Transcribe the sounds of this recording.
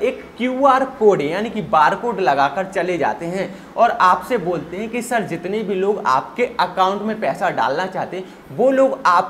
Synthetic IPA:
eːkːjuːaːɾkoːɖjaːnikibaːɾkoːɖlɐɡaːkəɾt͡ʃɐled͡ʒa̰ːt̪eɦɛ̃ | ɔːɾaːpseboːlt̪eɦɛ̃kisɐɾd͡ʒɪt̪neibʱiloːɡa̰ːp̚keɐkaːʊ̃ɳʈmẽpɛːsaɖa̰ːlnat͡ʃaːɦt̪e | ʋoːloːɡaːp̚

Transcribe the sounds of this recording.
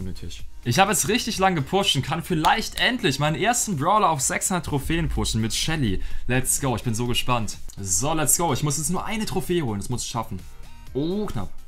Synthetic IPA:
onətʰɪ̰ʃʔɪçhaːbəɛsʁɪçtɪçlaŋɡəpʰʊʃtn̩kʰanfɪlaɪçtʔɛntʰlɪçmaɪnənʔeːɐstn̩bʁaʊlɐaʊfz̥ɛksnatʰːʁ̥ofeːənpʰʊʃn̩mɪtʃɛlilɛtsɡ̥oʊɪçb̥ɪnzoːɡəʃpantzolɛtsɡ̥oʊɪçmʊsjɛt͡snuːɐʔaɪnətʁ̥ofeːhoːləndasmʊsɪʃafn̩ | ʔoːkʰna̰p

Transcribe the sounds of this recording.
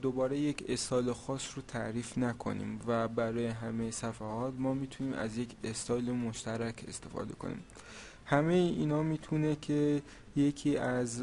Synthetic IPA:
d̪obɒːɾe̞je̞cʰest̪ɒːjlexɒːsrot̪ʰæʔɾiːfnækʰo̞̰nḭːmvæbæɾɒːjeɦæmejesæfæhɒːt̪mɒːmiːt̪ʰuniːmæ̰zje̞cʰest̪ɒːjlemoʃt̪æɾæcʰe̞̰st̪e̞fɒ̰ːd̪e̞̰kʰo̞̰nḭːm | hæmejiʔiːnɒːmiːt̪ʰunecʰe | je̞cʰiːæz

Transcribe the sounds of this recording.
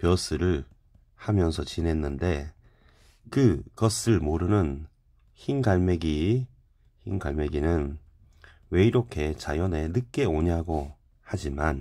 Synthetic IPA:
pjʌs͈ʰɯɾɯɭ | hamjʌnsʰʌt͡ɕinɦe̞nːɯnde̞ | kɯkʌs͈ɯɭmoɾɯnɯn | çinɡaɭme̞ɡi | çinɡaɭme̞ɡinɯn | we̞iɾokʰe̞t͡ɕajʌne̞nɯk͈e̞oɲaɡo | had͡ʑiman

